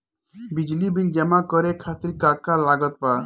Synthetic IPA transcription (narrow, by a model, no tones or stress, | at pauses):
bid͡ʒlibind͡ʒɛmakɔɾekʰat̪iɾkakalaɡɔt̪̚pa